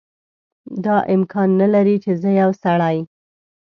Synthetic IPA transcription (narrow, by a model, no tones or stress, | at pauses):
d̪ɑʔɪmkʰɑnːalaɾit͡ʃezəjawsaɽɑj